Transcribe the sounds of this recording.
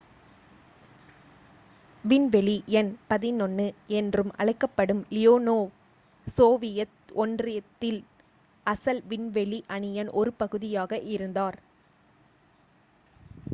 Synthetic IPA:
ʋɪnʋɛɭiɛnpɐðɪnɔnːɯɛndrɯmʔɐ̰ɭɐɪkːɐpːɐɽɯmlɪjoːnoː | soːʋɪjɐ | ɔndrɪɐt̪ːɪl | ɐsɐlʋɪnʋɛɭiʔɐɳɪjɐnʔɔɾɯpɐɣɯðɪjaːɣɐʔɪɾɯnd̪aːɾ

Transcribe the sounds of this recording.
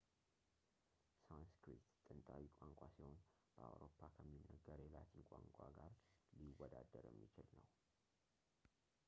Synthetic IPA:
sajnskɾit̪t̪ʼːɨnt̪ʼawikʷʼaŋkʷʼasiho̞n | b̥əa̰wɾo̞pʰːakʰəmːinːəɡəɾɛlat̪ʰiŋkʷʼaŋkʷʼaɡaɾliwːɔd̪ad̪ːəɾjɛ̰mːit͡ʃɪlnəw

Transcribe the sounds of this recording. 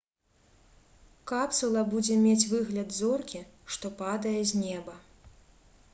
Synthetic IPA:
kapsulˠɐbud͡zʲɛmʲet͡sʲvɨɣlʲɐd̪zɔrkʲiʂt̪ɔpad̪ɐjɛzʲnʲɛbɐ

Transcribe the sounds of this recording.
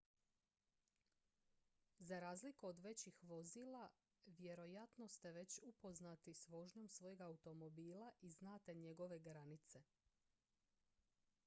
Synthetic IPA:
zaɾaːzlikuod̪ʋe̞t͡ɕixʋo̞ziːla | ʋje̞ɾo̞jat̪no̞st̪e̞ʋe̞t͡ɕupo̞znat̪isʋo̞ʒɲo̞msʋo̞je̞ɡaut̪o̞mo̞biːlaʔiznaːt̪e̞ɲe̞ɡo̞ʋe̞ɡɾanit̪se̞

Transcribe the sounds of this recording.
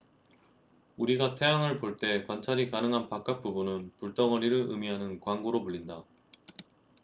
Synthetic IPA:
uɾiɡatʰe̞jaŋɯɭpoɭt͈e̞kwant͡ɕʰaɾikanɯŋɦanpak͈ak̚p͈ubunɯnpuɭt͈ʌŋʌɾiɾɯɭɯmiɦanɯnkwaŋɡoɾomuʎːinda

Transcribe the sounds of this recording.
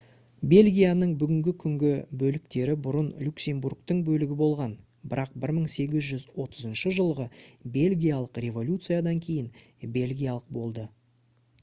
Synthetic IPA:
be̞lʲɡʲijanəɴbʏɡʲɪŋɡʲɪkʲʰʏŋɡʲɪbɵlɪk̚t̪e̞ɾɪbʊɾənlʲuksʲe̞mburkt̪əɴbɵlɪɡʲɪbo̞lˠʁɑn | bɪɾɑq̚bɪɾməɴse̞ɡʲɪzʒʏzwo̞t̪ʰəzənʃəʒəlˠʁəbe̞lʲɡʲijalˠəqrʲe̞vo̞lʲut̪sɨjad̪ɑŋkʲʰe̞jɪn | be̞lʲɡʲijalˠəq̚bo̞lˠd̪ə

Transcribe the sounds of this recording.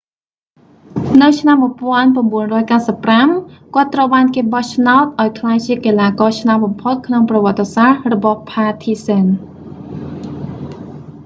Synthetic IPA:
nɨwt͡ɕʰnamːuəpŏənpramɓuənrɔːjkaəsəpːramkŏət̪ːrəwɓaːnkeːɓɑht͡ɕʰnaɔt̪̚ʔaɔjkʰlaːjt͡ɕiəkelaːkɑːt͡ɕʰnaɔt̪̚ɓɑmpʰot̪̚kʰnoŋprɑʋŏət̪ːesahrɔɓɑhpʰaːt̪ʰiːsɛn

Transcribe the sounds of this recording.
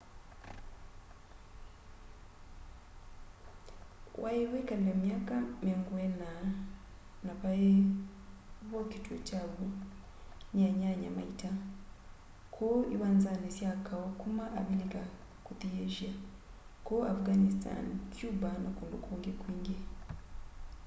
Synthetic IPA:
wʔajewekalilemjaːkamiɾoŋɡuwena | naβaje | βokitwo̰caːβo | ɲaɲaɲa̰ma̰ita | kʰoiβaːnzanesjakʰawokumaʔːβilika | kutijeʒia | koafɡanista̰nikjubanakuːndukuːŋɡekwiːŋɡee

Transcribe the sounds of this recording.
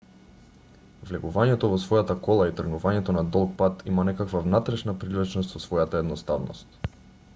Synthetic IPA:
vlɛɡuvaɲɛt̪ɔvɔsvɔjat̪akɔlˠait̪r̩ɡnuvaɲɛt̪ɔnad̪ɔlˠk̚pat̪ʰimanɛkakvavnat̪ɾɛʃnapɾilɛt͡ʃnɔst̪vɔsvɔjat̪aɛd̪nɔst̪avnɔ̰st̪

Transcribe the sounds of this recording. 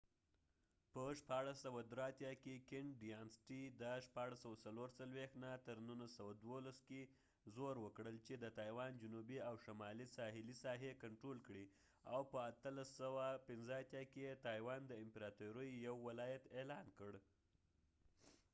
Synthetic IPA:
pəʃpɑɽasawad̪ɾeat̪jɑkekɪɳɖijɑnsʈid̪əʃpɑɽasawasaloɾt͡salwext̪nat̪əɾnunlasawad̪wolaske | zoɾwəkɽəlt͡ʃed̪ət̪ɑjwɑnd͡ʒʊnubiawʃamɑlisɑɦɪlisɑɦekaɳʈɾolkɽi | awpəat̪əlasəwapɪnzəat̪jɑkeet̪ɑjwɑnd̪əɪmpɪɾɑt̪uɾəjːawːɪlɑjat̪elɑnkəɽ

